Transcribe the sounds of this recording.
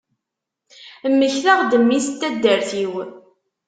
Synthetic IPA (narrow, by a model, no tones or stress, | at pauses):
mːəçlaʁd̪əmːist̪ːæd̪ːəɾθiw